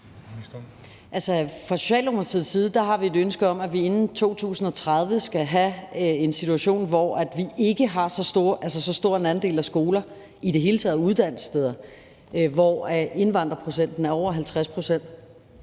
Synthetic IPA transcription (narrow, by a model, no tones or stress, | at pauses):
ʔælsəfʁɑ̈sɕo̝̥ɕɛ̰ːlomɐt͡sʰið̩̰ˠsiːð̞̩ˠd̥ɑ̈ɦɑ̈ʋie̝dønsɡ̥əɒ̽mæʋie̝nn̩t͡sʰo̝̰ːt͡sʰṵːsn̩ɒ̽t͡sʰʁað̞ˠʋəsɡ̥æɦæensit͡sʰuæɕo̝̰ːnʋɒæd̥ʋiʔe̝ɡ̥əɦɑ̈sɒ̽soʔæls̬ɐsɒ̽sd̥o̝ɐ̰e̝nænd̥e̝̰ːlæsɡ̥o̝ːlɐ | iɾ̥e̝ɦe̝ːlət͡sʰɛːðˠuð̞ˠd̥æn̰stʰeðˠɐ | ʋɒe̝nʋɑ̈n̰d̥ʁɐpʰʁo̝sen̰d̥n̩æɐɒʊ̰ɐɦælt͡sʰʁaspʰʁo̝sen̰d̥